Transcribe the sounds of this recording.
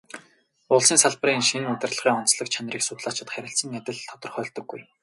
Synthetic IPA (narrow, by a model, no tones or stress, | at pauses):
ʊɮsiːŋsaɮpriːŋnʃ̆ɘ̆nɵt̪ʲɪ̆rɮə̥̆χiːŋɔn̥t͡sɮə̆kt͡ɕʰanʲriːksʊt̪ɮaːt͡ɕɪ̆t̪χæɾʲɪ̆ɬt͡sə̆ŋːæt̪ʲɪ̆ɮt̪ʰɔ̥t̪ɞ̆rχœːɮt̪ɞ̆ɡːuj